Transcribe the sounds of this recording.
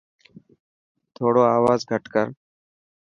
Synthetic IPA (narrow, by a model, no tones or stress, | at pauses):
t̪ʰoːɽoːaːʋaːzɡʱəʈkəɾ